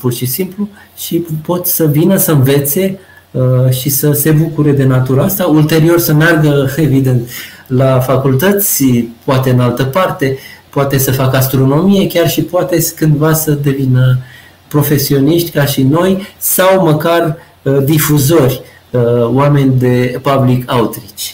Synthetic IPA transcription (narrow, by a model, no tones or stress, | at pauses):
purʃisimplu | ʃipo̞t̪səvinəsəɨnve̞t̪sʲe̞ | əʃisəse̞bukuɾe̞d̪e̞nat̪uɾaast̪ault̪e̞ɾio̞rsəmearɡəe̞vid̪e̞nt̪lafakult̪ət̪sʲpoat̪eɨnalt̪əpart̪e̞poat̪e̞səfakast̪ɾo̞no̞mije̞kʲarʃipoat̪e̞kɨnd̪vasəd̪e̞vinə | pɾo̞fe̞sio̞niʃt̪ʲkaʃino̞jsawməkar | d̪ifuzo̞rʲ | əoame̞nʲd̪e̞pablikʰaut̪ɾit͡ʃʲ